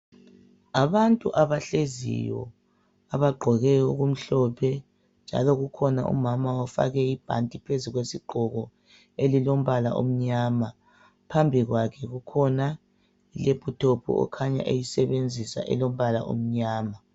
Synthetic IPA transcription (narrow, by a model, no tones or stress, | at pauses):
aβantʼṵʔaβaɬezḭjɔ̰ | aβaɡ͡ǃʱɔɣɛuɣum̩ɬɔpʰɛ | nd͡ʒʱa̰lɔɣukʰɔna̰ʔṵmamaɔfa̰ɣɛib̥ʱa̰ntʼipʰezuɣwesiɡ͡ǃʱɔɣɔ | elilom̩βala̰ʔo̰m̩ɲaːma | pʰambʱiɣwakʰɛɣukʰɔna | ilepʼutʰopʰṵɔ̰kʰaɲa̰ʔejisɛβend͡zʱisa̰ʔɛ̰lom̩βala̰ʔo̰m̩ɲaːma